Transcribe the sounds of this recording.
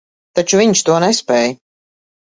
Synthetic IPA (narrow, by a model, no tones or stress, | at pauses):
t̪at͡ʃuviɲʃt̪uɔnɛspɛːj